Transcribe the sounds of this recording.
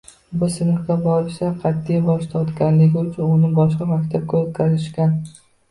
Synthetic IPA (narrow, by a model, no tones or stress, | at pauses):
bʊsɪnɨɾɡʲabɒɾɪʃaqʰɑt̪ʰːijbɒʃt̪ʰɒt̪kʲanlɪɡʲɪʊt͡ʃʰʊnʊnɪbɒʃqɑmakʲt̪ʰab̚kʲʰat̪kʲazɪʃkʲan